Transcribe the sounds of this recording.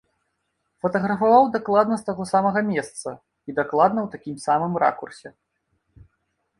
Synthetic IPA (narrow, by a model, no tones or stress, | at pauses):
fɐt̪ɐɣɾɐfavawd̪aklˠad̪nɐst̪aɣɔsamɐɣɐmʲɛst̪sɐ | id̪aklˠad̪nɐwt̪akʲimsamɨmra̰kursʲɛ